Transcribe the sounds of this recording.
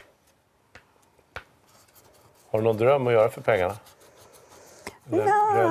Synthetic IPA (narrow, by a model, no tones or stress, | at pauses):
haɖɵnɔnd̪ɾœmːɔjœːɾafœɾpʰɛŋːaɳa